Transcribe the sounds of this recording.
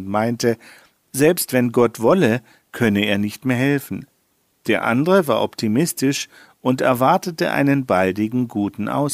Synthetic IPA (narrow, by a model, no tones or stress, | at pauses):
tmaɪntə | zɛlpstv̥ɛnɡɔtv̥ɔlə | kʰœnəeːɐnɪçtmeːɐɦɛlfn̩ | d̥eːɐʔa̰ndəʁəva̰ːɐʔɔptʰimɪstɪʃ | ʔʊntɛ̰ɐvaɐtətəʔa̰ɪnənbaldɪɡŋ̩ɡuːtn̩ʔa̰ʊs